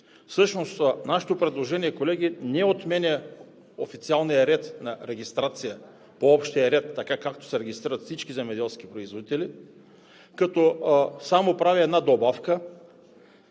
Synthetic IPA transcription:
fsɤʃnost̪naʃɛ̥t̪opɾɛd̪lˠoʒɛniɛkolɛɡʲinɛot̪mɛnʲɛ | ofit̪sialˠnijəɾɛt̪nɐɾɛɡ̟ist̪ɾat̪sijə | poɔpʃt̪ijəɾɛt̪ːɐkakak̚t̪o̥sɛɾɛɡʲist̪ɾiɾət̪fsit͡ʃkizɛmɛd̪ɛlˠskipɾoizvod̪it̪ɛli | kɐt̪ɔsamopɾaviɛd̪nad̪obafkə

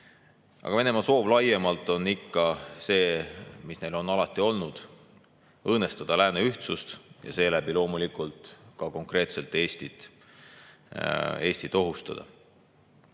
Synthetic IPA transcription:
ʔɑ̰ɡɑve̞ne̞mɑso̞ːvlɑje̞mɑlt̪ːˑo̞nːikːɑse̞ːmisne̞jlo̞nɑlɑt̪ːˑio̞lnud̪̥ | ɤːne̞st̪ɑd̪̥ɑlæːneyht̪sust̪jɑ̰se̞ːlæb̥ilo̞ːmulikːˑult̪kɑko̞ŋkre̞ːt̪se̞lt̪ːˑe̞ːst̪it̪ | e̞ːsʲt̪it̪o̞ɦust̪ɑ̰d̪̥ɑ̰

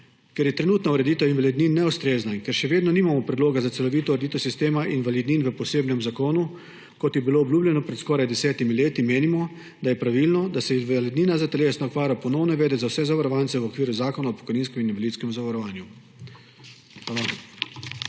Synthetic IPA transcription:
kɛɾjɛt̪ɾɛnuːt̪nauɾɛd̪iːt̪ɛwinʋalɛd̪ninːɛust̪ɾeːznainkɛɾʃɛʋeːd̪nɔniːmamɔpɾɛd̪loːɡazat̪sɛlɔʋiːt̪ɔuɾed̪iːt̪ɛwsist̪eːmaʔinʋalid̪ninʋəpɔseːbnɛmzakoːnu | kɔt̪jɛbiloːbljuːblʲjɛnɔpɾɛt̪skɔːɾajd̪ɛsɛːt̪imileːt̪imeːnimɔ | d̪ajɛpɾaʋilnɔd̪asɛinʋalid̪niːnazat̪ɛleːsnɔɔkʋaːɾjapɔnɔwnɔʋɛːd̪ɛzawsɛzaʋaɾɔʋant̪sɛwɔkʋiːɾuzaːkɔnaɔpɔ̥kɔjniːnskɛmininʋaliːt̪skɛmuzaʋaɾɔʋaːnju | ala

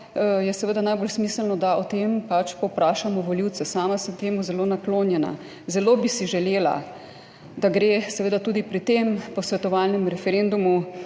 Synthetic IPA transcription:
jɛsɛʋeːd̪anajbolsmiːslnɔd̪aɔt̪empat͡ʃpɔwpɾaːʃamɔʋɔliwt̪sɛsaːmasəmt̪eːmuzɛloːnakloːnjɛna̰ | zɛloːbisiʒɛleːla̰ | d̪aɡɾeːsɛʋeːd̪at̪uːd̪ipɾit̪eːmpɔsʋɛt̪ɔʋalnɛmɾɛfɛɾeːnd̪umu

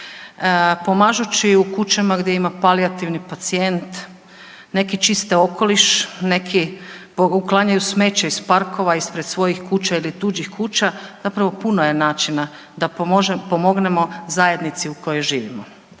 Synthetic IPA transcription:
po̞maːʒut͡ɕiukut͡ɕamaɡd̪jeimapaliat̪iʋnipat̪sije̞nt̪ | ne̞kit͡ʃist̪ɛo̞ko̞liʃne̞kʰipouklˠaɲajusme̞ːt͡ɕaispaɾko̞ʋaispɾed̪sʋo̞jixkuːt͡ɕailit̪uːd͡ʑixkuːt͡ɕaz̥apɾaʋo̞punoje̞naːt͡ʃina | d̪aʒpo̞mo̞ɡne̞mo̞zaje̞d̪nit̪siuko̞jojʒiːʋimo

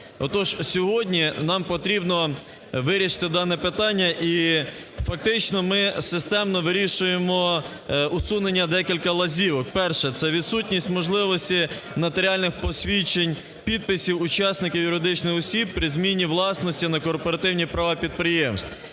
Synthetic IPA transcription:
ɔt̪ɔʒsʲɔɦɔdʲnʲinɑmpɔt̪ɾʲibnɔ | ʋɪɾʲiʃɪ̥t̪ɪd̪ɑnɛpɪt̪ɑnʲːɐʔi | fɐk̚t̪ɪt͡ʃnɔmɪsɪst̪ɛmnɔʋɪɾʲiʃʊjemɔ | ʊsunenʲːɐd̪ɛkʲilʲkɐlˠɐzʲiʋɔkpɛrʃɛt̪sɛʋʲid̪sutʲnʲisʲtʲmɔʒlˠɪʋɔsʲtʲi | mɐt̪eɾʲɑlʲnɪxpɔsʲʋʲit͡ʃenʲ | pʲid̪̚pɪsʲiwʊt͡ʃɑsnɪkʲiwjʊɾɪd̪ɪt͡ʃnɪxɔsʲib̚pɾʲɪzmʲinʲiʋlˠɑsnɔsʲtʲinɐkɔrpɔɾɐt̪ɪwnʲipɾɐʋɑpʲid̪̚pɾɪjemst̪i

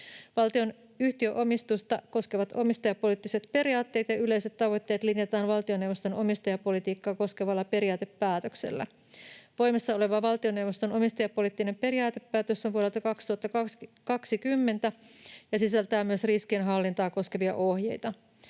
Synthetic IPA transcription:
ʋɑlt̪io̞n | yht̪iøʔo̞mist̪ust̪ɑko̞skeʋɑt̪o̞mist̪ɑjɑpːo̞lit̪ːiset̪pe̞ɾiɑːt̪ːe̞ːt̪jɑyle̞iset̪t̪ːɑʋo̞jt̪ːe̞ːt̪linjɑt̪ɑːnʋɑlt̪io̞newʋost̪o̞no̞mist̪ɑjɑpo̞lit̪iːkːɑːko̞skeʋɑlːɑpe̞ɾiɑːt̪epːæːt̪øksḛlːæ̰ | ʋo̞jmesːɑo̞le̞ʋɑʋɑlt̪io̞newʋost̪o̞no̞mist̪ɑjɑpːo̞lit̪ːine̞mpe̞ɾiɑːt̪e̞pːæːt̪øsːonʋuole̞lt̪ɑkɑkst̪uhɑt̪ːɑkkɑksikymːe̞nt̪æjɑsisælt̪æːmyø̞sriskienɦɑlːint̪ɑːko̞skeʋiɑ̰ʔohjejt̪ɑ

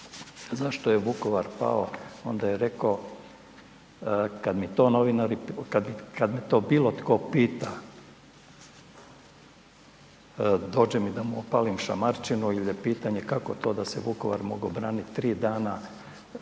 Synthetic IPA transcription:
zaʃt̪ojeʋuko̞ʋaɾpa̰oo̞nd̪ajeɾeko | kad̪mit̪o̞ːno̞ʋinaɾikad̪mikad̪met̪o̞ːbiːlˠo̞t̪ko̞ːpiːt̪a | d̪o̞ːd͡ʑemid̪amuopaːlimʃa̰maɾt͡ʃinuiljepiːt̪aɲekako̞t̪o̞ːd̪aseʋukoʋa̰ɾmo̞ɡobɾaːniɾiːd̪aːna

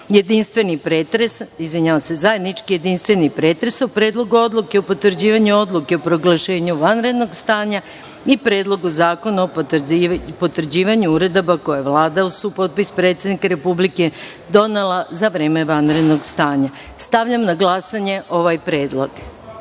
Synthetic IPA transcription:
je̞d̪inst̪ʋe̞nipɾeːt̪ɾesizʋʲiɲaʋasezajed̪nit͡ʃkije̞d̪inst̪ʋe̞nipɾe̞ːt̪ɾesupɾe̞ːd̪lo̞ɡuo̞d̪lˠukeopo̞t̪ʋɾd͡ʑiːʋaɲuo̞d̪lˠuke̞opɾo̞ɡlˠaʃe̞ːɲuʋanɾe̞d̪no̞ɡst̪aːɲa | ipɾeːd̪lˠo̞ɡuzaːko̞naop̪ | po̞t̪ʋr̩d͡ʑiːʋaɲuuɾe̞d̪o̞bako̞jeʋlˠaːd̪ausupo̞t̪̚pispɾe̞t̪sjed̪nikaɾe̞publike̞ | d̪o̞nelˠazaʋɾe̞ːme̞ʋanɾe̞d̪noɡst̪aːɲa | st̪aʋʎamnaɡlˠasaɲe̞ʔo̞ʋajpɾe̞ːd̪lˠoɡ

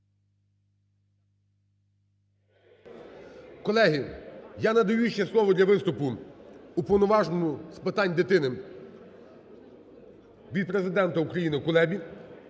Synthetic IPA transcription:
kɔlˠɛɦɪjanɐd̪ɐjuʃt͡ʃɛslˠɔʋɔd̪lʲɐʋɪst̪ʊpʊupɔwnɔʋɑʒnɔmʊspɪt̪ɑnʲd̪ɪt̪ɪnɪ | ʋʲid̪̚pɾe̞zɪd̪ɛnt̪ɐukɾɐjinɪkʊlˠɛbʲi

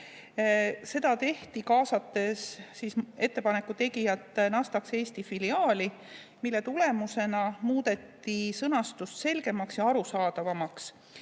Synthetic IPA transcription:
se̞d̪ɑt̪e̞ht̪ikɑːsɑt̪ːˑe̞sːise̞t̪ːe̞pɑne̞kːut̪e̞ɡijɑt̪ːˑnɑst̪ɑkse̞ːst̪ifiliɑːli | milːe̞t̪ule̞muse̞nɑmuːd̪̥e̞t̪ːisɤnɑst̪ust̪se̞lɡ̥e̞mɑksjɑɑɾusɑːd̪̥ɑvɑmɑks

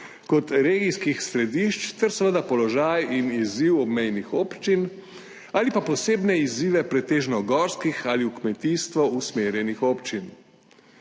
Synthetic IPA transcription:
kɔt̪ɾeːɡiskixsɾɛd̪iʃt͡ʃt̪ɛɾsɛʋəd̪apɔlɔʒajiniziwɔbmɛjnixoːpt͡ʃin | aːlipapɔseːbnɛiziːʋɛpɾɛt̪eːʒnɔɡɔːɾskixaliukmɛt̪iːst̪ʋɔusmeːɾjɛnixoːpt͡ʃin

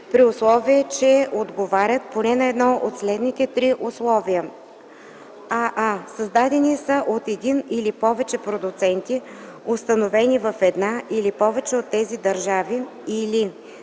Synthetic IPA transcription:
pɾiʊslˠɔviɛt͡ʃɛod̪ɡovaɾʲət̪̚ponɛnɐɛd̪nɔot̪slɛd̪nit̪ɛt̪ɾiʔʊslˠɔvijə | aʔasɐzd̪ad̪ɛnisəʔot̪ɛd̪inilipɔvɛt͡ʃɛpɾod̪ʊt̪sɛnt̪i | ʊst̪ɐnovɛnivɐfɛd̪naʔilipɔvɛt͡ʃɛot̪ːɛzid̪ɐɾʒavi | ili

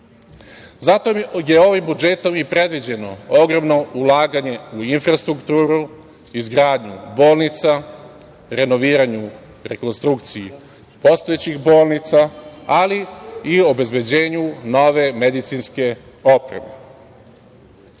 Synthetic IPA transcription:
zat̪oje̞o̞ʋimbud͡ʒe̞t̪o̞mipɾe̞d̪ʋid͡ʑe̞no̞oɡɾo̞mno̞ʔulaːɡaɲe̞uinfɾast̪ɾukt̪uːɾu | izɡɾaːd̪ɲubo̞ːlˠnit̪sa | ɾe̞no̞ʋiːɾaɲu | ɾe̞ko̞nst̪ɾukt̪siji | po̞st̪ojet͡ɕixbo̞ːlˠnit̪saaliio̞be̞zbe̞d͡ʑeːɲuno̞ʋe̞med̪it̪sinske̞ | o̞pɾe̞̰mḛ

